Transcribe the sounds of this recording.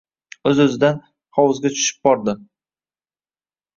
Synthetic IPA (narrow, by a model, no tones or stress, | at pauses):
ɵzɵzɪd̪an | χɒwɨzɡʲat͡ʃʰʊ̥ʃɪ̥b̚bɒɾd̪ɪ